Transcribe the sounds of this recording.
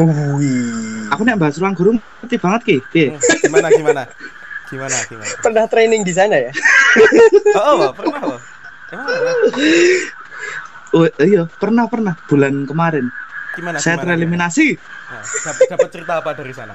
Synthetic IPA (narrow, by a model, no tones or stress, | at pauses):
akuniaʔmbaɦasɾuaŋɡɔɾum | rt̪ib̥a̤ŋət̪̚kɪje | pərnaht̪ɾenɪŋd̪is̬anaja | ijɔpərnahpərnahb̥ṳlankəmaɾɪn | sajat̪ɾeliminasi